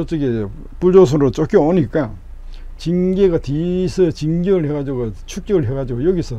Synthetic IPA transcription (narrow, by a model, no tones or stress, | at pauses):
ʌt͡ɕ͈ɯɡe | puɭd͡ʑos̬ʰonɾot͡ɕ͈ʌk͈jʌoɲik͈a | t͡ɕinɡeɡatisʰɯt͡ɕiŋɡeɡɯɭheɡad͡ʑiɡot͡ɕʰuk̚t͡ɕ͈ʌɡɯɭɦeɡad͡ʑiɡojʌɡisʰʌ